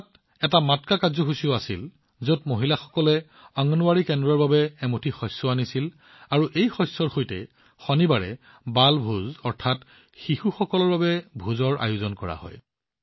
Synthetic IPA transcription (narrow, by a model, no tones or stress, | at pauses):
t | ɛtamatkakazɔxusioasil | zotmoɦilaxɔ̥kɔlɛ | aŋɔnʊwaɹikɛndɹɔɹbabɛːmotʰixɔsɔanisil | aɹuʔejxɔjsːɔɹxojtɛ̰ | xɔnibaɹɛ̰ | balbʱuzɔɹtʰat | xixuxɔkɔlɔɹbabɛbʱuzɔɹa̰jʊzɔnkɔɹa̰hɔ̰j